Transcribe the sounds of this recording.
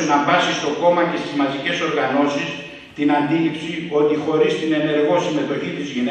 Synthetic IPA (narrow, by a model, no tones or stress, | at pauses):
enɐbɐsist̪o̞ko̞mɐce̞st̪izmɐzice̞so̞ɾɣɐno̞sis | t̪inɐnd̪ilipsio̞t̪ixo̞ɾist̪ine̞ne̞ɾɣo̞sime̞t̪o̞çit̪izʝine